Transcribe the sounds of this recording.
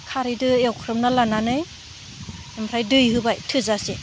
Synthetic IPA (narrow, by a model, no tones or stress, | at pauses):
kʰaɾidɯewkʰɾɯmnalananɯj | empʰɾajdɯjɦɯbajtʰɯzasi